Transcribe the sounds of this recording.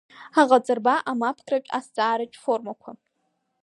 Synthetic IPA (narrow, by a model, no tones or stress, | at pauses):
aʁat͡sʼɨrbaʔamapʰtʰʼrapʲʼa̰st͡sʼaːɾɨt͡ʃʼfo̞rmakʷʰa